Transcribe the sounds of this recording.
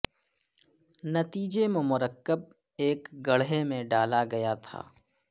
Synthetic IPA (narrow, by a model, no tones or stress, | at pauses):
nɐt̪iːd͡ʒememʊɾəkːəb̚ | eːkɡɐɽɦemẽɖaːlaɡɐjat̪ʰa̰ː